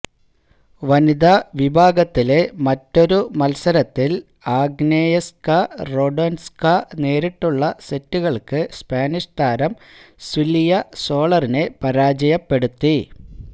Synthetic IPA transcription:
ʋɐnid̪ɐʋibʱaːɡɐt̪ːile̞mɐtːo̞ɾumɐlsɐɾɐt̪ːil | aːɡnejɐskɐro̞ɖɐnskɐne̞ːɾiʈːuɭːɐsetːuɣɐɭkɨspaːniʂt̪ʰaːɾɐm | silijɐso̞ːɭɐrine̞pɐɾaːd͡ʑɐjɐpːe̞ɽut̪ːi

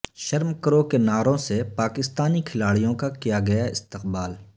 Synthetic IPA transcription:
ʃɐɾmkəɾokenaːɾõsepaːkɪst̪aːnikʰɪlaːɽijõkakijaɡɐjaɪst̪ɪqbaːl

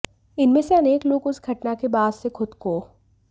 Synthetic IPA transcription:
ɪnmẽseɐneːkloːɡʊsɡʱɐʈnakebaːd̪sekʰʊd̪koː

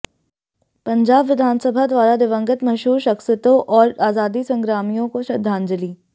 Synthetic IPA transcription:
pɐ̃ɲd͡ʒaːbʋɪd̪ʱaːnsəbʱad̪ʋaːɾad̪ɪʋə̃ŋɡət̪mɐʃɦuːɾʃɐxsɪt̪õʔɔːɾaːzaːd̪isɐ̃ŋɡɾaːmijõkoʃɐd̪ʱːaːnd͡ʒɐliː

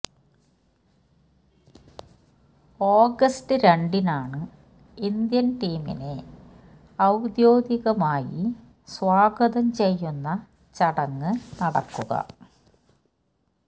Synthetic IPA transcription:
o̞ːɡɐstɨɾe̞ɳɖinaːɳɨ | ind̪jɐnʈiːmḭne̞ | ɐwd̪jo̞ːɡiɣɐmaːjḭ | swaːɡɐðɐmt͡ɕe̞jːunːɐ | t͡ɕɐɽɐŋːɨnɐɽɐ̰kːuɣɐ̰

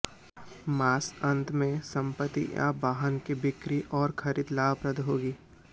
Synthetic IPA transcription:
maːsɐ̃nt̪mẽsɐ̃mpət̪ːḭja̰baːɦənkibɪkɾiʔɔːɾkʰɐɾid̪laːʋpɾəd̪ɦoːɡiː

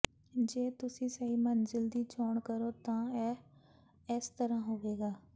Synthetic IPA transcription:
d͡ʒeːt̪ʊsĩːsəiːmənzɪld̪iːt͡ʃoːɳkəɾoːt̪ãːɛː | ɪst̪əɾãːɦoːʋeːɡaː

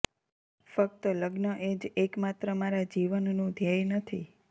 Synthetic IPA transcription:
fək̚t̪ələɡnəʔed͡ʒekmat̪ɾəmaɾad͡ʒiʋənːũd̪ʱjajnət̪ʰi

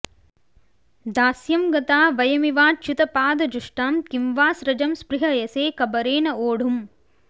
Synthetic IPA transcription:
d̪aːsjɐmɡɐt̪aːʋɐjɐmiʋaːt͡ʃut̪ɐpaːd̪ɐd͡ʒuʂʈaːmkimʋaːsɾɐd͡ʒɐmspɾɪɦɐjɐseːkɐbɐɾeːnɐoːɽ̤um

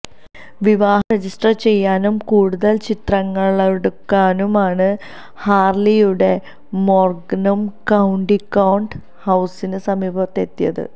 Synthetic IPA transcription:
ʋiʋaːɦɐred͡ʑisʈɐrt͡ɕe̞jːaːnumkuːɽuðɐlt͡ɕit̪rɐŋːɐɭeɽukːaːnumaːɳɨ | haːrlijuɽe̞ | moːrɡnumkɐwɳɖikːɐwɳɖ | hɐwsinɨsɐmiːbʱɐt̪ːe̞t̪ːijɐðɨ̰

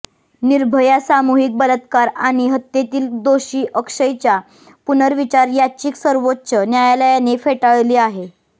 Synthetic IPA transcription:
niɾbʱəjasamoɦik̚bələt̪kaɾaɽ̃iɦət̪ːjet̪iːld̪oɕiːʔəkʂəjt͡ɕja | punəɾʋit͡ɕaɾjat͡ɕiːksəɾʋotːɕənjajaləjanefeʈaɭliːaɦe

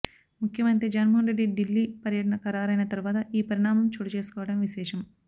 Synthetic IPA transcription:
mukʰjɐmɐnt̪ed͡ʒɐnmonɾeɖːiɖilːipɐɾjɐʈɐɳɐkɐɾaːɾɐjnɐt̪ɐɾuʋaːt̪ɐʔiːpɐɾiɳaːmɐmt͡ʃuːʈɐt͡ʃe̞ːsu̥kɔːʋɐɽɐmʋiʃɛːʂɐm

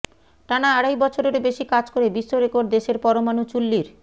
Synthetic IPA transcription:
ʈanaaɽajbɔt͡ɕʰoɾeɾbeʃikad͡ʑkoɾebiʃoɾekoɾɖd̪eʃeɾpɔɾomanut͡ɕulːiɾ

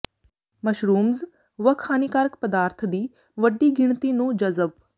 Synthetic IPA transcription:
mɐʃɾuːmz | ʋəkʰaːniːkaːɾəkpəd̪aːɾt̪ʰd̪iː | ʋəɖːiːɡɪɳ̃t̪inũːd͡ʒɐzəb

